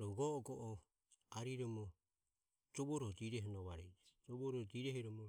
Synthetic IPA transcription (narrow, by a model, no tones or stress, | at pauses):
ɾɔɡɔɡɔʔɔ | aɾiɾɔmɔ | d͡ʒɔβɔɾɔhdiɾɛhɔnɔβaɾɛd͡ʒɛd͡ʒɔβɔɾɔdiɾɛhɛɾɔmɔ